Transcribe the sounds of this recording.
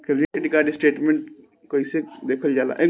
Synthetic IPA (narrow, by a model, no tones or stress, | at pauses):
kʰɪɾd͡ʒieɖɪkaːɖisʈeːʈmẽɳʈ̚ | koːised̪eːkʰəld͡ʒaːla̰ːʔe